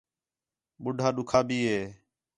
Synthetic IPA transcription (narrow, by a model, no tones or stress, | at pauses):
ɓʊɖʱaːɗʊkʰaːbʱiːɦeː